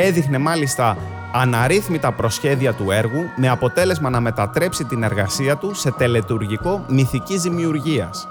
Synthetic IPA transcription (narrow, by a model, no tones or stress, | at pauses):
e̞ðixne̞mɐlist̪ɐː | nɐɾiθmit̪ɐpɾo̞sçe̞ðiɐt̪ue̞ɾɣume̞ɐpo̞t̪e̞le̞zmɐnɐme̞t̪ɐt̪ɾe̞psit̪ine̞ɾɣɐsiɐt̪use̞t̪e̞le̞t̪uɾʝiko̞miθicizðimiuɾʝiɐ̰s